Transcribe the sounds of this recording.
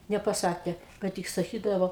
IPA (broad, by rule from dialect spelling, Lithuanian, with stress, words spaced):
nʲɛpɐˈsɑːkʲeː ˈkɐ tʲɪk sɐˈkʲiːdɐʋoː